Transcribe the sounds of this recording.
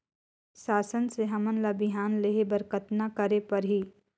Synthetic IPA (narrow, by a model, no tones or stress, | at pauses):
ʃaːsənseɦɐmənlabɪɦaːnleːɦebəɾkət̪nakəɾepɐɾɦiː